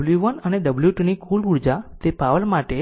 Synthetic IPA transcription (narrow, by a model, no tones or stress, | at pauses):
ljuʋənəneɖəbljuʈinikʰuluɽd͡ʒat̪epaʋəlmaʈe